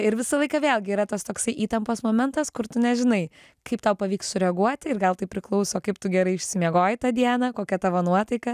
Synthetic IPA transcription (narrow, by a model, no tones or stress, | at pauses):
ɪɾʋʲɪsɐlˠɐɪkɐʋʲeːlˠʲɡʲɪiɾɐt̪oːst̪oːksɐɪʔiːt̪ɐmpoːsmoːmʲɛnt̪ɐskʊɾt̪ʊnʲɛʒʲɪnɐɪ | kɐɪpt̪ɐʊpɐʋʲiːkssʊɾʲɛɐɡuɔt̪ʲɪɪɾɡɐlˠt̪ɐɪpʲɾʲɪklˠɐʊsoːkɐɪpt̪ʊɡʲɛɾɐɪɪʃʲsʲɪmʲiɛɡoːjɪt̪ɐd̪ʲiɛnɐkoːkʲɛt̪ɑʋoːnuɔt̪ɐɪkɐ